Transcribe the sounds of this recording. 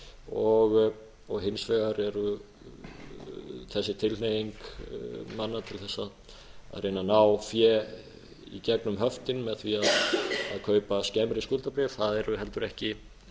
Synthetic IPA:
ɔɣ | ɔɣɦɪnsvɛɣaɾɛɾʏ | θɛsːɪt̪ʰɪlnejiŋk | manːat̪ʰɪlθɛsːað | a̰ðɾejnanaːwfjɛː | ḭcɛknʏmɦœft̪ɪnmɛðθviaða̰ðkʰœːɥpascɛmɾɪskult̪apɾɛvθaðɛɾʏɦɛlt̪ʏɾɛhcɪ

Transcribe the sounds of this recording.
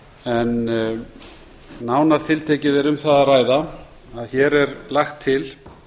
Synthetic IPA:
ɛn | aːwnaɾ̥t̪ʰɪlt̪ʰeːcɪðɛɾʏmθaðaraːjða | aðçɛɾɛɾlaxt̪ʰːɪl

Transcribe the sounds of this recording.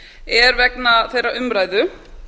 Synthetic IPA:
ɛɾvɛknaθejɾaʔʏmɾaːjðʏ

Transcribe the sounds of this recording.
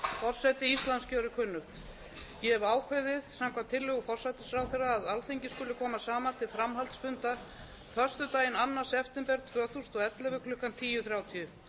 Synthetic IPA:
fɔr̥sajt̪ɪist̪lanscœːɾɪkʰʏnːʏ | jɛɛvaːwkʰɛðɪðsamkʰvamt̪ʰːɪlhʏɣʏfɔr̥sajt̪ɪ̥sfɾaːwθɛrːaːðalθejɲcɪ̥skɵlɪkʰɔːmasaːmant̪ʰɪlfɾamɦalt̪sfʏnt̪a | fœr̥st̪ʏt̪aːjɪnanːḁsɛft̪ɛmpɛɾt̪ʰvœːθust̪ɔɛt̪lɛvʏkʰlʏhkant̪ʰiːjʏθɾjaːwt̪ʰijʏ

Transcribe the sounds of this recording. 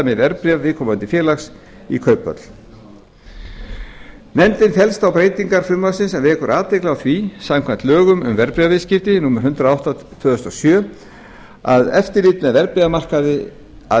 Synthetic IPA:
mɪvɛɾpɾiavɪːkʰɔmant̪ɪfjɛːlaxs | ḭkʰœɥpːœ̰t̪l̥ | nɛnt̪ɪnfɛlst̪awpɾeːjt̪iŋkaɾ̥fɾʏmasɪnsɛmvɛːkʏɾaːt̪ejklaawθvisamkʰvɛnt̪lœːɣʏmʏ̰mvɛɾpɾiavɪscɪft̪ɪnuːmaɾhʏnt̪ɾaawht̪at̪ʰv̥œːðʏst̪ɔsjœː | a̰ðɛft̪ɪɾliːt̪mɛðvɛɾpɾiɣamar̥kaðɪ | a

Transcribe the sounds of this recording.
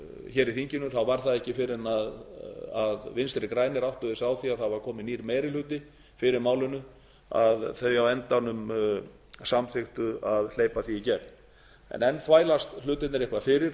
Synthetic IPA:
çɛːɾiθiɲcɪnʏθawvaɾ̥θaðɛhcɪfɪɾɪnaðaðvɪnst̪ɪɾɪkɾaːjnɪɾawht̪ʏðɪsawθiaθawvaɾ̥kʰɔːmɪniːɾmeːjɾil̥ʏːt̪ɪ | fɪɾɪɾmaːwlʏnʏ | a̰ðθœɥawɛnt̪anʏm | samθɪxt̪ʏaðl̥eːjpaθiːcɛln | ɛ̰nɛnfvaːjlast̪l̥ʏːt̪ɪt̪nɛɾɪhkvafɪɾɪɾ̥

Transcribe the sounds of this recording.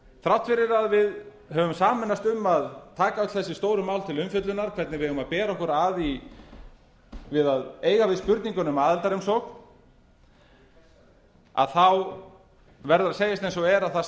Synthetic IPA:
θɾawht̪fɪɾɪɾaðvɪð | ɦœvʏmsaːmɪnːast̪ʏmːaðt̪ʰaːkaœt̪θɛsːɪst̪oːwɾʏmawlt̪ʰɪlʏmfʏt̪lʏnaɾ̥kʰvɛɾt̪nɪvɪhɛvʏmaðpɛːɾaɔhkɔɾaːði | vɪðaðeːjɣavɪðspʏɾt̪niŋkʏnʏmaːðɛlt̪aɾʏmsɔkn | a̰ðθaw | vɛɾðʏɾaseːjast̪ejnsɔɣɛɾaðθa

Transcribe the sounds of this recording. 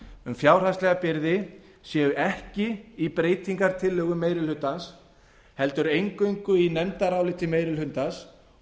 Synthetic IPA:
ʏmfjaːwr̥ast̪lɛɣapɪɾðɪ | sjɛːɣʏʔɛhcɪipɾeːjt̪ʰiŋkaɾ̥t̪ʰɪlːœːɣʏmeːjɾɪlhʏnt̪ːans | hɛl̪t̪ʏɾejŋkʏɥŋkʏinɛmt̪aɾaːwlɪt̪ʰɪlmeːjɾɪlhʏnt̪as

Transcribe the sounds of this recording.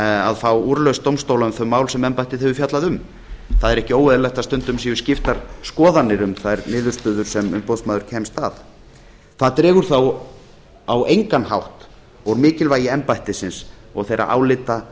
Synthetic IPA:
aðfaːwuɾlœst̪owmst̪owlaʏmθœmːaːwlsɛmɛmpajht̪ɪðhɛvʏfjat̪laðʏm | θaðɛɾɛhcɪoːwvɛðɪlajht̪ast̪ʏnt̪ʏmsiʏ̥scɪft̪aɾ̥skɔːðanːɪɾʏmθaðɛɾnɪːðʏɾ̥st̪œːðʏɾ̥sɛmʏmpoðsmaːðʏɾ̥cʰɛmst̪að | θaðt̪ɾɛːɣʏɾ̥θaw | awejŋkanhawht̪ | ɔɣmɪːcɪlvaːjɪɛmpajht̪ɪsɪnsɔɣθejɾa̰ʔa̰ːwlɪt̪a

